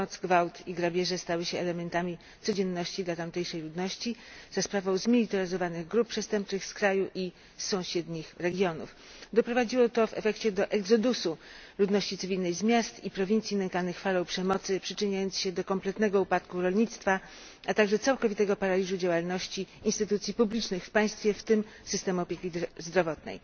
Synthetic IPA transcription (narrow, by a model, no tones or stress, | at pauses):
ɔt̪zɡvawt̪iɡɾabʲjɛʐɛst̪awɘɕɛɛlɛmɛnt̪amʲi | t̪sɔd͡ʑɛnːɔɕt͡ɕid̪lat̪amt̪ɛjʂɛjlud̪nɔɕt͡ɕiz̥aspɾavɔ̃w̃zmʲilʲit̪ɛɾɘzɔvanɘɣɡɾup̚pːʂɛst̪ɛmp̚t͡ʂɘxskɾajuʔi | sɔ̃w̃ɕɛd̪ɲixɾɛɡʲjɔnṵf | d̪ɔpɾɔvad͡ʑiwɔt̪ɔvɛ̰fɛkt͡ɕɛd̪ɔʔɛɡzɔd̪usulud̪nɔɕt͡ɕit̪sɘvʲilnɛjzmʲjast̪ipɾɔvʲint̪sʲjinɛŋkanɘxfalɔ̃w̃pʂɛmɔt̪sɘpʂɘt͡ʂɘɲajɔnt̪sɕɛd̪ɔkɔmplɛt̪nɛɡɔupat̪kuɾɔlɲit̪st̪fa | at̪aɡʐɛt̪sawkɔvʲit̪ɛɡɔpaɾalʲiʐud͡ʑawalnɔɕt͡ɕiinst̪ɘt̪ut̪sʲjipublʲit͡ʂnɘxfpaj̃st̪fʲjɛft̪ɘm | sɘst̪ɛmuɔpʲjekʲizd̪ɾɔvɔt̪nɛ̰j